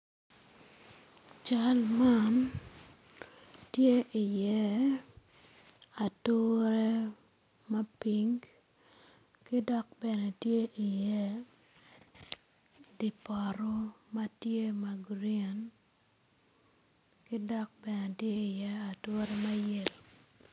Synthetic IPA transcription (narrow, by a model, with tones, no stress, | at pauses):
t͡ʃa˦lma˦n | tje˦ʔi˨jɛ˦ | a˨to˦ɾe˦ | ma˦pi˦ŋ | ki˦dɔ˦k̚bɛ˨nɛ˨tje˦ʔi˨jɛ˦ | di˨pɔ˨ɾo˦ma˦tje˦ma˨ɡɾia˨n | kɪ˦dɔ˦k̚bɛ˨nɛ˨tje˦i˨jɛ˦a˨to˦ɾe˦ma˦je˨l